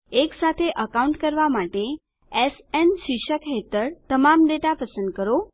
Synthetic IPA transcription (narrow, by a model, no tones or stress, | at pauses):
eksat̪ʰeʔəkauɳʈkəɾʋamaʈe | esensiʃəkɦet̪əɾt̪əmamɖeʈapəsə̃nd̪̚kəɾo